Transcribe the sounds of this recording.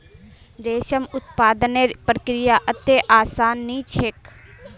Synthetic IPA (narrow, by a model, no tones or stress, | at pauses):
ɾeːʃəmʊt̪̚paːd̪ənepɾəkɾɪjaʔət̪eʔaːsaːnːiːt͡ʃʰek